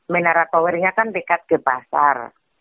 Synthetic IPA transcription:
menaɾat̪ɔweɾiŋakanpikat̪̚ɡ̥ə̤pasa̰r

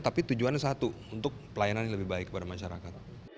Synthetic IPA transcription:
t̪apit̪ud͡ʒuansat̪uunt̪ʊk̚pəlajananaləbɪhbaɪkːəpadamaʃaɾakat̪̚

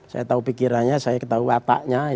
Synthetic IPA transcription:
sa̰jat̪aupikiɾanɲasajakət̪auat̪a̰ʔɲa

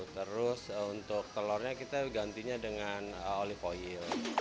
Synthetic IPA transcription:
t̪əɾʊsunt̪ʊk̚t̪əlɔrɲakit̪aɡant̪iɲadəŋanəolifoɪl

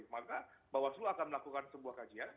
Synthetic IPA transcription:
makabawasluakanməlakukansəbuahkad͡ʒian

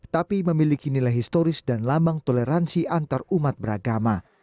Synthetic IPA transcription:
t̪apiməmilikinilajɦist̪oɾɪsdanlambaŋt̪oleɾansiʔant̪arumat̪̚bəɾaɡama

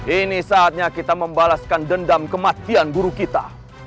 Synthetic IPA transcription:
inisaːt̪̚ɲakit̪aməmbalaskandəndamkəmat̪ianɡuɾukit̪a̰

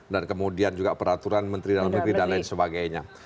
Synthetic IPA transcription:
dankəmudiand͡ʒuɡapəɾat̪uɾanmənt̪ɾidalamikɾidalajnsəbaɡajɲa

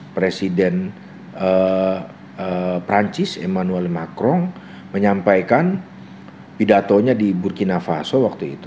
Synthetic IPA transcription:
pɾesidɛn | ə | əpɾaɲt͡ʃɪsemanuɛlmakɾɔŋ | məɲampajkan | pidat̪oɲadiburkinafasowak̚t̪uḭt̪u

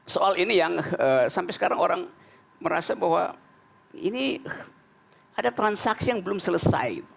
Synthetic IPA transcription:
soalinijaŋəsampɛjsə̥kaɾaŋoɾaŋ | məɾa̰sabahwa̰ | ḭni | adat̪ɾansaksijaŋbəlʊmsələsa̰j

